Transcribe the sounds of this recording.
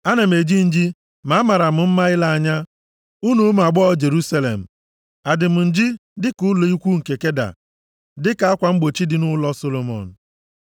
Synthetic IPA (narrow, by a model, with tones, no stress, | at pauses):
a˦na˨m̩˨e˨d͡ʒi˦n̩˨d͡ʒi˦ | ma˨˦ma˨ɾa˨m̩˨m̩˦ma˦ɪ˦la˦a˦˨ɲa˦ | u˦nu˦m˨a˨ɡ͡bɔ˦ɔ˦d͡ʒe˨ɾu˦sa˦lḛ˨m̩˨ | a˨dɪ˨m̩˨n̩˨d͡ʒɪ˦dɪ˦kʊ˦lo˨i˦kʷu˦ŋ̩˨ke˨ke˦da̰˨ | dɪ˦ka˨˦a˦kʷa˨ŋ͡m̩˦ɡ͡bo˨t͡ʃi˦dɪ˦nʊ˦lɔ˦so˦lo˨mɔ̰˨n̩˨